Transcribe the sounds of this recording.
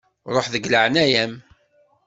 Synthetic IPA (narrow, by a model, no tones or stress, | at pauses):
ɾˤoħðəɡləʕənæjæm